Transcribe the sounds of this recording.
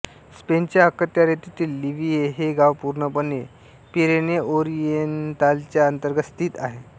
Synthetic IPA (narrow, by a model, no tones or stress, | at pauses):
spent͡ɕjaəkət̪jaɾet̪it̪iːlːiʋieɦeɡaʋpuɾɳəpənːe | piɾeneoɾijentalt͡ɕjaənt̪əɾɡəst̪iːt̪aɦe